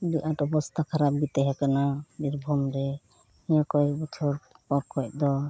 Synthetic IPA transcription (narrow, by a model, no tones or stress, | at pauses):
diʔaʈɔbɔst̪ʰakʰaɾap̚ɡit̪ɛɦɛkananiɾbʱɔmɾɛ | ijakɔjbit͡ʃʰɔɾpakʰɔc̚d̪ɔ